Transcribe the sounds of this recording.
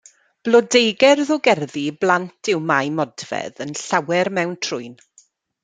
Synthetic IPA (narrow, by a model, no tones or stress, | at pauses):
b̥lˠɔdejɡɛrðʊɡɛrðiblˠantʰɪwmajmɔdvɛ̰ðənɬawɛrmɛwntʰrʊɨn